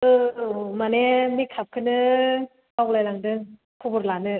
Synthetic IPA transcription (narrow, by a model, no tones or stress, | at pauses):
ɯmanemikʰap̚kʰɯnɯ | awk̚lajlaŋdɯŋ | pʰubɯɾlanɯ